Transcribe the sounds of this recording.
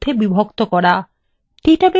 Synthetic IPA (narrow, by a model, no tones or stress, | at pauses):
d̪ʱːebibʱokt̪okɔɾa | ʈiʈabe